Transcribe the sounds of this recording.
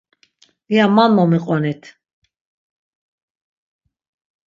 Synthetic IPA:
iamanmɔmiqʼɔnit̪ʰ

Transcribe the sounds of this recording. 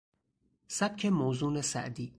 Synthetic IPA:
sæb̥̚kʰemowzuːnesæ̰ʔd̪iː

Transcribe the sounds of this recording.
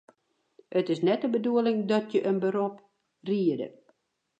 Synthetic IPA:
ətɪsnɛtəbəduəlɪŋdɔtjəʔənbəɾop | riədə̰

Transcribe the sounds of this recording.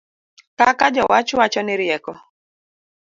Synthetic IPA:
kakad͡ʒɔwat͡ʃwat͡ʃɔnɪɾjɛkɔ

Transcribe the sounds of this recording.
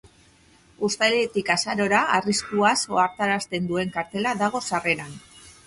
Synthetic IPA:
ust̪ajlet̪ikasaɾo̞ɾaariskuaso̞aɾt̪aɾast̪e̞nd̪ue̞ŋkaɾt̪e̞laðaɣ̞o̞sare̞nan

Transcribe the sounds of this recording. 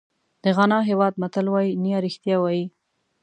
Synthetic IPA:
d̪̥əɣanɑɦewɑd̪̚mat̪əlwɑjinijɑɾixt̪jɑwɑji

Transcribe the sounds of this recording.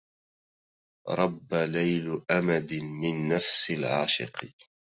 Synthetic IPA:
ɾˤɑbːalajlʔamad̪ɪmɪnːafsɪlʕaːʃɪ̰q

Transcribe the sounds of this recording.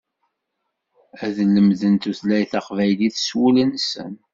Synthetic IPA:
æðlːəmðənt̪uθlæjθɑqvæjliθswulənsə̰n

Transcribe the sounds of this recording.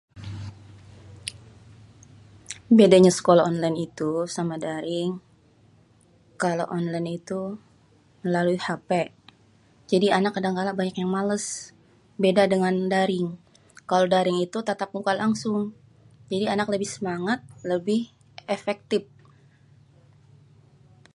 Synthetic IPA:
bedaɲasə̥kolaɔnlajnit̪usamadaɾɪŋ | kaloʔɔnlajnit̪u | məlaluihapɛ | d͡ʒadianakadaŋkalabaɲakjaŋmaləs | bedadəŋandaɾɪŋ | kalodaɾɪŋit̪ut̪at̪ap̚ŋukalaŋsʊŋ | d͡ʒadianakləbɪhsəmaŋat̪̚ləbɪh | efɛk̚t̪ɪp̚

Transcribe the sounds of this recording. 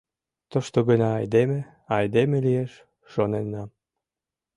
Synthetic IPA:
t̪oʃt̪oɣənʲɑːjd̪eme | ɑjd̪emelijeʃ | ʃonenːɑ

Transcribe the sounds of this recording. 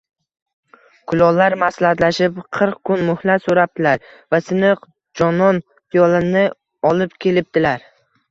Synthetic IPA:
kʰʊlɒlaɾmaslat̪laʃɪpqʰɨɾq̚kʰːʊnmʊhlat̪soɾap̚d̪̥ʰɪlaɾ | vasɪnɨq | d͡ʒɒnɒn | t̪ʰɪjɒlˠɪnɪ | ɒlɪpkʲʰe̞lɪp̚d̪ɪlaɾ

